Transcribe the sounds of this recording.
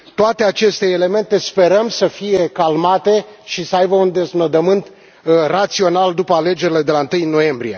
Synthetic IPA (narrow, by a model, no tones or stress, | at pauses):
t̪oat̪eat͡ʃe̞st̪e̞ːle̞me̞nt̪e̞spe̞ɾəmsəfije̞kalmat̪e̞ʃisəajbəund̪e̞znod̪əmɨnt̪ | rat̪sio̞nald̪upəale̞d͡ʒe̞ɾile̞d̪elaɨnt̪ɨjnːo̞je̞mbɾije̞